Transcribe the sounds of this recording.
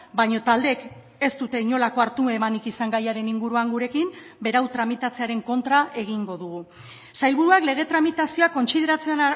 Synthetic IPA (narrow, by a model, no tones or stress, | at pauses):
bajɲo̞t̪ald̪e̞k | e̞st̪ut̪e̞iɲo̞lako̞aɾt̪uemanikisaŋɡajaɾe̞niŋɡuɾuaŋɡuɾe̞kim | be̞ɾawt̪ɾamit̪at͡se̞aɾe̞ŋko̞nt̪ɾaʔe̞ɣ̞iŋɡo̞ðuɣ̞u | sajlβuɾuakle̞ɣ̞e̞t̪ɾamit̪asio̞ako̞nsið̞e̞ɾat͡se